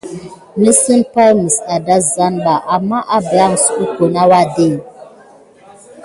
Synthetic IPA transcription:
nə˦sɨ˦npa˦lmi˨sa˨da˦za˦nɓa˨ʔa˨mːa˦ʔa˦bə˨ja˦ŋ˨su˦ko˨na˦wa˦˨de˦˨

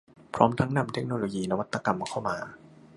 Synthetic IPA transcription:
pʰɾɔː˦˥mt̪ʰa˦˥ŋna˧mt̪ʰe˦˥k̚noː˧loː˧jiː˧na˦˧wa˦˥t̪ːa˧ka˧mkʰa˥˩wmaː˧

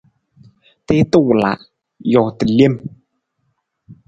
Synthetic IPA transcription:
te˦t̪ə˦˨wla̰˨ʔ | jɔ˨tə˨li˦˨m

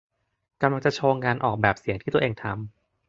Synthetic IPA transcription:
ka˧mla˧ŋt͡ɕa˨˩t͡ɕʰoː˧ŋkaː˧nʔɔː˨˩k̚bɛː˨˩p̚si˨˩˦ŋt̪ʰiː˥˩t̪u˧əʔeː˧ŋt̪ʰa˧m

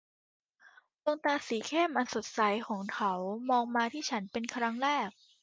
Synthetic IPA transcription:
lo˧ŋt̪aː˧siː˩˦kʰe˥˩mʔa˧nso˨˩t̪̚sa˩˦jkʰɔː˩˦ŋkʰa˦˥wmɔː˧ŋmaː˧t̪ʰiː˥˩t͡ɕʰa˦˥npe˧nkʰɾa˦˥ŋɾɛː˥˩k̚

